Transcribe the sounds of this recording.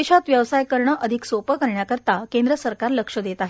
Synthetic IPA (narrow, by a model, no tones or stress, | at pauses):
eɕat̪ʋjəʋsajkəɾɳəʔəd̪ʱiksopəkəɾɳjakəɾt̪akẽnd̪ɾəsəɾkaɾləkʂəd̪et̪aɦe